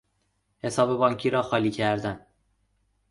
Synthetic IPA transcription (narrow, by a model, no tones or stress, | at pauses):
he̞sɒːbe̞bɒːɲcʰiːɾɒːxɒːliːcʰæɾd̪æn